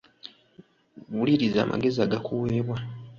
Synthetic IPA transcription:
βuliɾiza̰ːmʔa̰ɡe̞ziaɡakuwe̞ːβwa

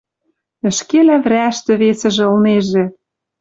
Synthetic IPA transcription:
ə̆ʃkelæβɾʲæʃt̪ĕβesɘ̆ʒĕɤ̆lneʒĕ

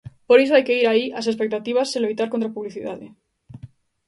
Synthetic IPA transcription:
po̞ɾesoajke̞iɾaiase̞spek̚t̪at̪iβ̞asːileβit̪aɾko̞nt̪ɾapuβliθiðaðḛ

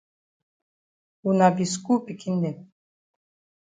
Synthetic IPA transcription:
unabiskupʼikʰind̪ɛn

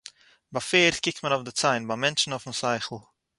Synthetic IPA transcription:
bafeːɾtkɪk̚tmənɔʊfdɪt͡saɪnbamɛnt͡ʃn̩ɔfm̩saɪχl̩ˠ

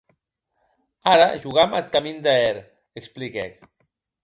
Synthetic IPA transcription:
aɾaʒuɣamat̪̚kamind̪aɛɾ | əksplikɛk

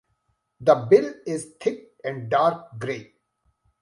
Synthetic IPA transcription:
d̪əbɪlɪzt̪ʰɪk̚ | ɛ̃ɳɖɖaːɾk̚ɡɾeː

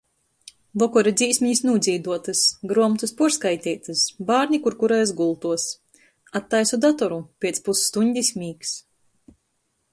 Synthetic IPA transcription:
vɔkɔɾad̪zʲiːsmʲiɲisnuːd̪zʲiːd̪uɔt̪ɨsɡɾuɔmt̪uspuskajt̪ʲiːt̪ɨsbaːɾɲʲikuɾkuɾɛjsɡulˠt̪uɔs | at̪ːajsud̪at̪ɔɾupʲiɛt̪spusːt̪uɲʲd̪ʲisʲmʲiːks

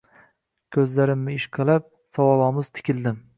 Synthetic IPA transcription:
kʲʰɵzlaɾɪmːɪɪʃqʰɨlˠap̚ | sɒwɒlˠɒmɪzt̪ʰɪ̥kʲɪlˠd̪ɪm

